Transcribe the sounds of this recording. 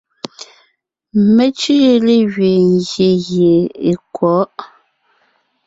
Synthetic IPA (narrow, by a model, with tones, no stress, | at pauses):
me˦t͡ʃi˦le˦ɣɥe˨ŋ˨ɡje˨ɣje˨e˨kwɔ˨˦ʔ